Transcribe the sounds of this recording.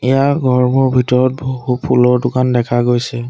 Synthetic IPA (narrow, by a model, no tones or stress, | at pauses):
ɛjaɡɔɹmɔɹbʱitɔɹɔt̚boɦupʰulɔɹdʊkandɛkʰaɡojsɛ